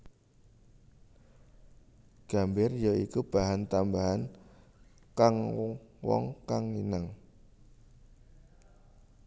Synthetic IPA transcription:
ɡ̥a̤mbɪrjəikub̥aɦant̪ambaɦan | kaŋwɔ̰ŋkaŋinaŋ

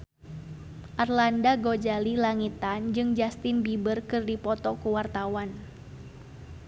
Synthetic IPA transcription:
ʔarlandaɡod͡ʒalilaŋit̪and͡ʒɨŋd͡ʒast̪ɪnbibərkɨrdipɔt̪ɔkuwart̪awan

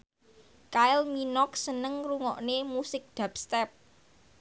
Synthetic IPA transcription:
kaɪlminɔksənəŋruŋɔʔnemusɪk̚d̪̥ä̤pst̪ɛp̚

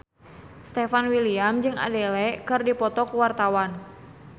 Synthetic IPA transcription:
st̪ɛfanwiliamd͡ʒɨŋa̰dɛlɛkɨrdipɔt̪ɔkuwart̪awan

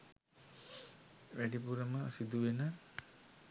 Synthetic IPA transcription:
ʋæɖipuɾəməsid̪uʋenə

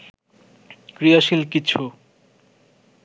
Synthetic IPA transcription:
kɾijaʃilkit͡ɕʰu

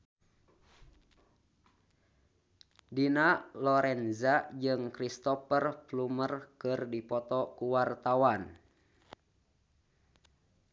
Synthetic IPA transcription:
dinalɔɾɛnzad͡ʒɨŋkɾist̪ɔpərplumərkɨrdipɔt̪ɔkuwart̪awan

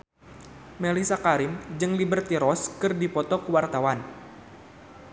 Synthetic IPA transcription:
melisakaɾimd͡ʒɨŋlibərt̪iɾɔskɨrdipɔt̪ɔkəwart̪awan

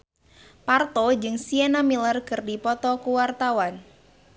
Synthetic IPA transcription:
part̪od͡ʒɨŋsienamilərkɨrdipɔt̪ɔkuwart̪awan

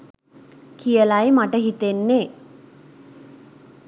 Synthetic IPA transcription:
kijəlajmaʈəɦit̪enːe

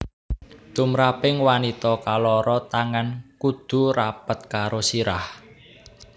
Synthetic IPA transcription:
t̪umɾapɪŋwanit̪ɔkalɔɾɔt̪aŋankud̪̥ṳɾapət̪̚kaɾosiɾah

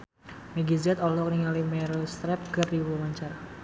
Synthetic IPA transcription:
meɡizɛt̪ɔlɔkniŋalimɛɾost̪ɾɛp̚kəriwɔmaɲt͡ʃar

